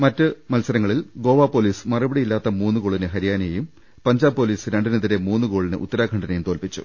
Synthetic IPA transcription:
mɐtːɨmɐlsɐɾɐŋːɐɭilɡo̞ːʋaːpːo̞ːliːsmɐrɐbɐɽijilːaːt̪ːɐmuːnːɨkoːɭinɨɦɐɾijaːnɐjejum | pɐɲd͡ʑaːbpːo̞ːliːsɾeɳɖɨnɐðiɾemuːnːɨko̞ːɭinɨ̰ʔṵt̪ːɐɾaːɡʰʱɐɳɖɐnejumt̪oːlpit͡ɕːṵ

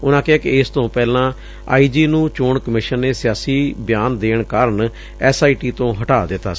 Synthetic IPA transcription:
ʊnãːkɪɦaːkɪɪst̪õːpɛːlãː | a̰ːiːd͡ʒiːnũːt͡ʃoːɳkəmɪʃənːeːsɪjaːsiːbɪjaːnd̪eːɳkaːɾəɳ | ɛːsaːiʈiːt̪õːɦəʈaːd̪ɪt̪ːa̰ː

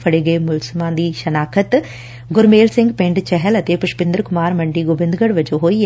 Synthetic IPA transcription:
fʰɐɽeːɡɐemʊlsmãːd̪iːʃɐnaːkʰət̪ | ɡʊɾmeːlsɪ̃ŋɡpẽɳʈt͡ʃɛɦəlɐt̪eːpʊʃpɪ̃nd̪əɾkʊmaːɾmɐ̃ɳɖiːɡobɪ̃nd̪ɡəɽʋɐd͡ʒoːɦoːi

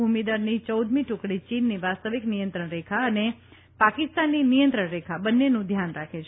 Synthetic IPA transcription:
umid̪aɾnit͡ʃəwd̪mĩʈʊkɽit͡ʃinːiʋast̪əʋiknijə̃nt̪ɾəɳɾekʰaəne | pakɪst̪anːinijə̃nt̪ɾəɳɾekʰabənːenũd̪ʱjanɾakʰet͡ʃʰe

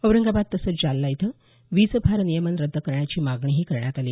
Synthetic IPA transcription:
əʋɾəŋɡabad̪̚t̪ːəsəːt͡sd͡ʑalːajit̪ʰəː | ʋiːt͡səpʰaɾnijəmənɾəd̪ʱːəkəɾɳjat͡ɕiːmaɡɳiːɦiːkəɾɳjat̪aliː

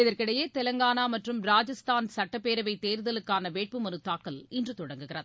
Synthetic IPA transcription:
ɪðɐrkɪɽɐjeːt̪ɛlɐŋɡaːnaːmɐʈrɯmɾaːd͡ʒɐst̪aːnsɐʈːɐpːeːɾɐʋɐɪt̪ːeːɾɯðɐlɯkːaːnɐʋeːʈ̚pɯmɐɾɯt̪ːaːkːɐlɪndrɯt̪ɔɽɐŋɡɯɣɪrɐð

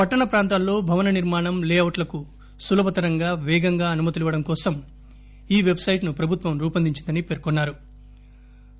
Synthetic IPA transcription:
pɐʈːɐɳɐpɾaːnt̪anlo̞ːbʱɐʋɐnɐniɾmaːɳɐmleːɐwʈlɐku | sulɐbɐt̪ɐɾɐŋɡaːʋɛːɡɐŋɡaːɐnumɐt̪iliʋɐɽɐmkɔːsɐm | iːʋe̞bsɐjʈnupɾɐbʱut̪ʋɐmɾuːpɐnd̪iɲt͡ʃind̪ɐnipeːɾkonːaːɾu

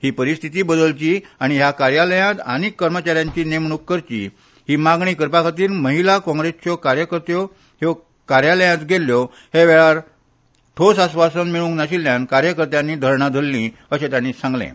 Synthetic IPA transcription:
hiːpəɾist̪ʰit̪iːbəd̪əlt͡ɕiːaɽ̃iɦjakaɾjaləjãt̪a̰ñikːəɾmət͡ɕaɾjãɲt͡ɕiːnemɳukːəɾt͡ɕḭː | hiːmaɡɳiːkəɾpakʰat̪iːɾməɦilakɔ̃ŋɡɾest͡ɕɔkaɾjəkəɾt̪jɔ | ɦe | kaɾjaləjãt̪ɡʱeljɔ | heʋeɭaɾ | ʈʰosasʋasənmiɭũŋɡnaɕiljãnkaɾjəkəɾt̪jãnːiːd̪ʱəɾɳad̪ʱəlːĩ | əɕẽt̪jãnːiːsãŋɡlḛ̃

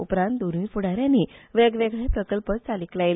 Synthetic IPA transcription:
upɾãnt̪̚d̪oɾʋiːpuɽ̤aɾjanːiʋeɡʋeɡɭepɾəkəlpətt͡saliklajl

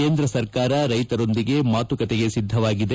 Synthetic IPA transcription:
e̞ːnd̪ɾɐsɐɾkaːɾɐɾɐjt̪ɐɾo̞nd̪iɡe̞maːt̪ukɐt̪eɡe̞sid̪ʱːɐʋaːɡid̪e

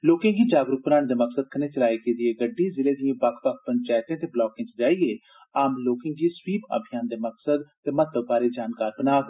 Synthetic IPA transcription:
loːkɪ̃ŋɡiːd͡ʒaːɡɾuk̚bənaːɽ̃d̪eːməksəd̪̚kʰəneːt͡ʃəlaːiːked̪ieːɡəɖːiːzɪleːd̪iãːbəkʰtəkʰpənt͡ʃaːt̪ẽːt̪eːblɔːkɪ̃ŋt͡ʃd͡ʒaːieː | aːmloːkɪ̃ŋɡiːswiːpa̰bʱijaːnd̪eːməksəd̪t̪eːmət̪ːəbbaːɾeːd͡ʒaːnkaːɾbənaːk

